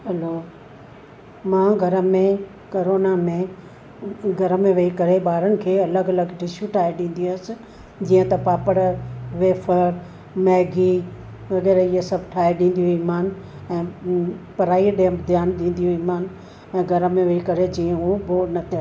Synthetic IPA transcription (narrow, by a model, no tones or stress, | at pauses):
ɦɐloː | mãːɡʱɐɾə̆mẽ | koːɾoːnamẽ | ɡʱɐɾəmẽʋɐikɐɾeɓaːɾənɪ̆kʰeːɐləɡɐləɡɖɪʃuʈʰaːeɗĩːn̆d̪iəs | d͡ʑiːə̃t̪ɐpaːpəɽəɾʋeːfʰəɾ | mɛːɡi | ʋɐɣɛːɾiːesɐbʱʈʰaːeɗĩːnd̪ijoiːmaːn | ɛ̃ːpɐɾaːiɗeə̃mbd̪ʱjaːnɗĩːn̆d̪ijoiːmaːn | ɛ̃ːɡʱɐɾəmẽʋɐikɐɾed͡ʑiːə̃ɦubonɐt̪ʰia